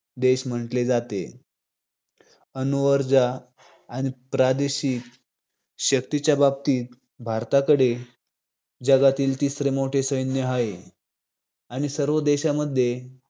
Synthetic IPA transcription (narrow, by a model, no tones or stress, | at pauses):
d̪eɕm̤əɳʈled͡zat̪ḛ | ənuʋəɾd͡zaː | ɽ̃ipɾad̪eɕiːk | ɕəkt̪it͡ɕjabab̚t̪iːt̪̚ | bʱaɾt̪akəɽe | d͡ʑəɡat̪iːlt̪isɾemoʈʰesəjnjəɦae | aɽ̃isəɾʋəd̪eɕaməd̪ʱːje